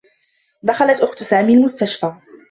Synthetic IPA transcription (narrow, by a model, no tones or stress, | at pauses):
d̪axalat̪ʔʊxt̪saːmiːlmʊst̪aʃfaː